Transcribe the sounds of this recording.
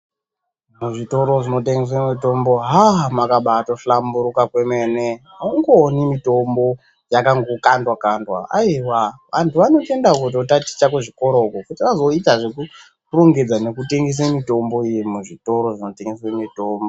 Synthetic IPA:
muʐito̞ɾo̞ʐino̞teŋɡes̬wemito̞mbo̞ɦamakaɓato̞ɬambuɾukakwe̞mene | uŋɡonimito̞mbo̞ | jakaŋɡokandwakandwa̰a̰iwaʋantʰuʋano̞te̞ndaukut̬otati̥t͡ʃakuʐiko̞ɾoukukutiʋazo̞itaʐe̞ku | roŋɡe̞d͡zane̞kute̞ŋɡes̬emito̞mbo̞ijimuʐito̞ɾo̞ʐino̞te̞ŋɡeswemitombo

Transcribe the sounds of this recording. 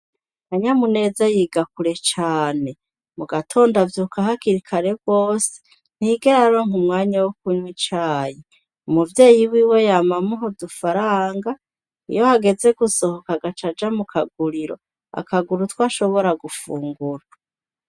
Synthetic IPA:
haɲamune̞ːzajiɡakuɾe̞t͡ʃaːne̞ | muɡatʰo̞ːndavjukaɦakiɾikʰaɾe̞bɡoːse̥ | n̥hiɡeɾaɾoŋumŋaːɲawokuɲwit͡ʃaːje | umuvje̞ːjiwiːwe̞jamamuɦodufaɾaːŋɡa | ḭjo̞haɡe̞ze̞ɡuso̞hokaɡat͡ʃad͡ʒamukʰaɡuɾiɾo̞̰ | a̰kaɡuɾutwaːʃo̞βo̞ɾaɡufuːŋɡuɾa

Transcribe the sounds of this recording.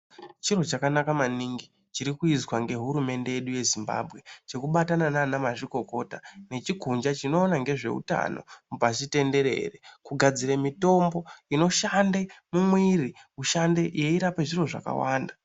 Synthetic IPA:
t͡ʃiro̞t͡ʃakanakamaniŋɡi | t͡ʃiɾikuizwaŋɡe̞ɦuɾume̞nde̞je̞ɗuje̞zimba̰bʱɣe̞t͡ʃe̞kuɓatanananamaʐiko̞ko̞ta̰ne̞t͡ʃikund͡ʒat͡ʃino̞ːnaŋɡe̞ʐe̞̰ṵta̰no̞̰mupasite̞nde̞ɾe̞̰rekuɡʱad͡ziɾemito̞mbo̞ino̞ʃandemumwiriuʃande̞je̞iɾapeʐiro̞ʐa̰ka̰waːnda

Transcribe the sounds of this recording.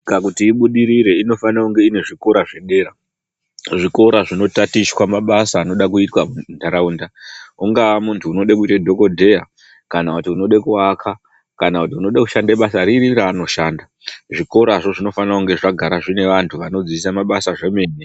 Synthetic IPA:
kakutiːɓuɗiɾiɾe̞ino̞fanakuŋɡe̞ine̞ʐiko̞ɾaʐeɗe̞ːɾa | ʐiko̞ɾaʐino̞tatiʃwamaɓasaːno̞ɗakuitwamundʱaɾauːndauŋɡaʋamuntʰuːno̞ɗakuitedʱo̞ko̞dʱe̞ja | kanakutiuno̞ɗekuakʰa | kanakutiuno̞ɗaku̥ʃandeɓasaɾiriɾaːno̞ʃaːnda | ʐiko̞ɾaʐoʐino̞fanakuŋɡe̞ʐaɡʱaɾaʐine̞ʋantʰuʋano̞d͡ziisamaɓasaʐe̞meːne

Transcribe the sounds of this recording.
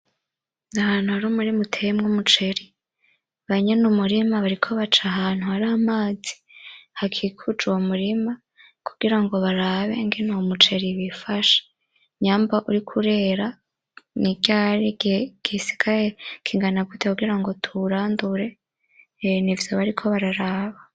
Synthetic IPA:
nahaːn̥huaɾuːmuɾimutʰemŋumut͡ʃe̞ɾi | βaɲenumuɾimaβaɾikʰo̞βat͡ʃaɦaːn̥huaɾaːmaːzi̥ | hakʰikʰud͡ʒuwomuɾima | kʰu̥ɡ̥iɾaŋɡo̞βaɾaːβe̞̰ŋɡenomut͡ʃe̞ɾiβifaʃḁ | ɲaːmbaʔuɾikʰuɾe̞ɾa | niɡaɾiɡɡ̥isi̥kʰaɾekʰiŋɡanaɡutʰekuɡiɾaŋɡo̞tʰuɾaːnduɾe̞ | nivjo̞βaɾikʰo̞βaɾaɾaːβa

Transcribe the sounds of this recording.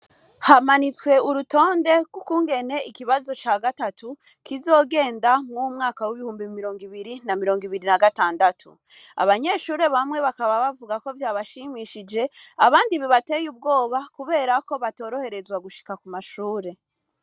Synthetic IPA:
hamanit͡swe̞uɾuto̞ːnde̞ɡwukuːŋɡe̞ne̞ikiβazo̞t͡ʃaːɡatatu | kizo̞ːɡe̞ːndamŋumŋaːkawiβihuːmbimiɾo̞ːŋɡiβiɾinamiɾo̞ːŋɡiβiɾinaɡataːndatʰṵ | a̰βaɲe̞ʃuːɾe̞βamŋe̞βakaβaβavuɡako̞vjaːβaʃimiʃid͡ʒe̞aβaːndiβiβate̞ːjub̚ɡo̞ːβakuβe̞ːɾako̞βato̞ːɾo̞he̞ɾe̞zwaɡuʃi̥kakumaʃuːɾe̞

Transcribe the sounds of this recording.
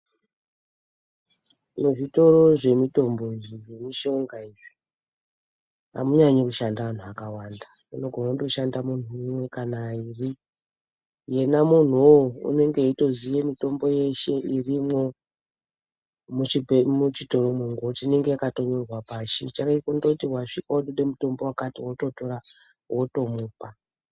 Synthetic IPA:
muʐito̞ɾo̞ʐe̞mito̞mbo̞jiemiʃo̞ŋɡaiʐi̥ | ɦa̰muɲaɲekuʃandaʋan̤uakawanda | unoɡʱonakuto̞ʃandamun̤uimwe̞kanairi | je̞namun̤uṵne̞ŋɡeitozijemito̞mbo̞je̞ʃe̞ʔirimo̞ | muimut͡ʃito̞romuŋɡot͡ʃine̞ŋɡejakato̞ɲorwapaːʃḭt͡ʃakaikondokutiɦwaʂikawoɗuɗe̞muto̞mbo̞wakatiwoto̞to̞ɾa | woto̞muːpa

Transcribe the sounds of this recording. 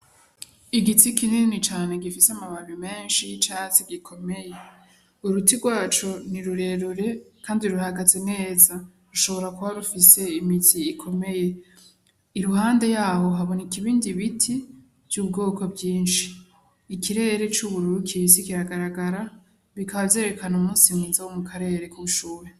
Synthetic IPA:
iɡitikininnit͡ʃaːne̞ɡifisamaβaɾime̞ːnʃit͡ʃaːt͡siɡikʰo̞me̞je̞ | uɾutiɡwaːt͡ʃoniɾuɾe̞ɾuɾe̞kaːndiɾuhaɡaze̞ne̞ːzaɾuʃo̞βo̞ɾakuβaɾufise̞imitʰiːkʰo̞me̞je̞ | iɾuhaːnde̞jaːho̞ɦaβo̞nekiβiːndiβitʰi | vjuːbɡo̞ːko̞bɟiːnʃiː | kiɾe̞ɾe̞t͡ʃuβuɾuɾukʰisikiɾaɡaɾaɡaɾa | βikʰaβavze̞ːɾekanumuːnsimwiːnzawomukʰaɾe̞ɾe̞kuβuʃuːɾe

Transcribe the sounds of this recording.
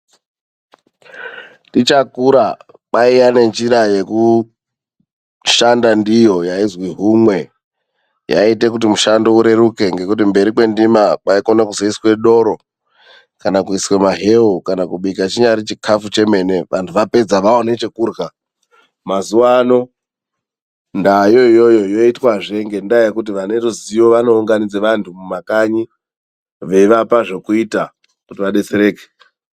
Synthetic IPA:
tit͡ʃakuɾa | ɓaijane̞nd͡ʒiɾaje̞ku | ʃandandijo̞jaizwiɦumwe̞ | ja̰ite̞k̬ut̬imuʃando̞uɾe̞ɾuke̞ŋɡe̞kutimbe̞ɾikwe̞ndimakaiko̞nakuzoiswe̞ɗo̞ɾo̞ | kanakuiswe̞maɦe̞ukanakuɓikat͡ʃiɲaɾit͡ʃikʰafut͡ʃe̞me̞ne̞ʋʔantʰuʋape̞d͡zaʋaonet͡ʃe̞kuːrɣa | mazuano̞ | ndajo̞ijo̞jo̞jo̞itwaʐe̞ŋɡe̞ndajakut̬iʋane̞ɾuzijo̞ʋano̞uŋɡanid͡zeʋantʰumumakaɲi | ʋe̞ʋapaʐo̞kuita | kutiʋaɗe̞t͡seɾe̞ːke̥

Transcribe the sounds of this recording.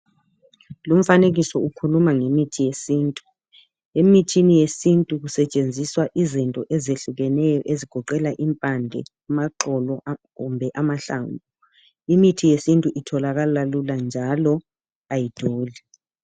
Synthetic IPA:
lum̩faneɣ̬isɔukʰulumaŋemitʰijesiːntʼu | emitʰinijesintʼuk̬usɛt͡ʃʼend͡zʱiswaʔizintʼɔʔɛzeɬuɣɛnɛjɔʔeziɡ̥ʱɔǃɛlaʔimpʼandʱɛ̰ | umaǁɔlɔkumbʱɛʔamaɬa̰ːmbʱu | imitʰijesintʼuʔitʰɔlaɣ̬alaluland͡ʒʱalɔ | ajid̥ʱoːli

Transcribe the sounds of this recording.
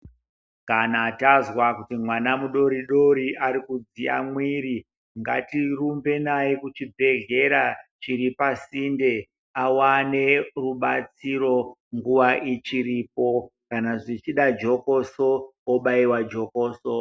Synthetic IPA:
kanaːtazwakutimwanamuɗo̞ɾiɗo̞ɾiʔaɾikud͡zia̰mwiɾi | ŋɡa̰tirumbe̞najekut͡ʃibʱe̞ɮe̞ɾat͡ʃiɾipasinde̞ | awane̞ruɓat͡siro̞ŋɡuʋaʔit͡ʃiɾiːpo̞kanaʐit͡ʃiɗad͡ʒo̞kosoːɓaiwad͡ʒo̞koːso

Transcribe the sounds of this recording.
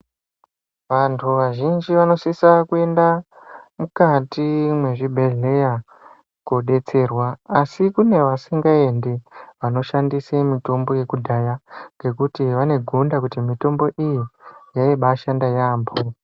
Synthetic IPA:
ʋantʰuʋaʒind͡ʒiʋano̞sisakue̞nda | mukatimwe̞ʐibʱe̞ɮe̞ja | koɗe̞t͡se̞rwaːsikune̞ʋasiŋɡae̞ndeʋano̞ʃandisemito̞mbo̞je̞kudʱajaŋɡe̞kutiʋane̞ɡʱundakutimito̞mbo̞ʔijijaiɓaʃandajaːmbo

